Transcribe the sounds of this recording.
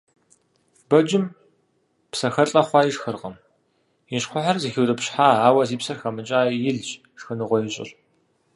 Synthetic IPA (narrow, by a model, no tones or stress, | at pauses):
bɐd͡ʒɪm | psɐxɐɬʼɐχʷɑːjiʂxɨrqɐm | jiʃχʷʊħarzixiwrʼɨpɕħaːaːwɐziːpsɐrxɐmɨt͡ʃʼaːjjɪɮt͡ʃ | ʂxɨnɨʁʷɔjɪt͡ʃʼɪ̰ɬ